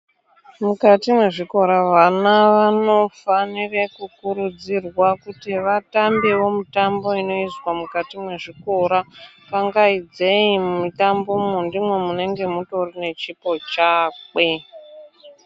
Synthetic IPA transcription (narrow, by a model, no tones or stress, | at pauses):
mukatimwe̞ʐiko̞ɾaʋanaʋano̞fanirekukuɾud͡zirwakutiʋatambeʋo̞mutambo̞ino̞iswamukatimwe̞ʐiko̞ɾa | paŋɡaid͡ze̞immitambo̞mundimwemune̞ŋɡe̞muto̞rine̞t͡ʃipo̞t͡ʃaːke̞